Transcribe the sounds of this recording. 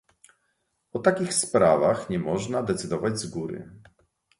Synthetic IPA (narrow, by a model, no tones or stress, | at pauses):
ɔt̪akʲixspɾavaxɲɛmɔʐnad̪ɛt̪sɘd̪ɔvad͡ʑzɡuɾɘ̰